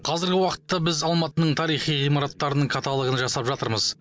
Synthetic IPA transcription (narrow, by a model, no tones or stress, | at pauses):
qʰɑzɪɾɡʲɪwɑqə̥t̪ːɑbɪzɑlˠmɑt̪ənəɴt̪ʰɑɾijχijʁijmɑɾɑt̪ːɑɾənəɴkʰɑt̪ʰalˠəʁənʒɑsɑpʒɑt̪əɾməz